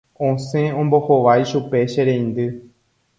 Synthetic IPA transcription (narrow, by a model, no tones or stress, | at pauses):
õsẽõ̞mbo̞hoʋajʃupe̞ʃeɾẽj̃nd̪ɨ